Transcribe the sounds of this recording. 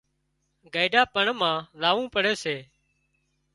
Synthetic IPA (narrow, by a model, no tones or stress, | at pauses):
ɡaːɪɖaːpəɳmãːlaːʋũːpəɽ̤eːseː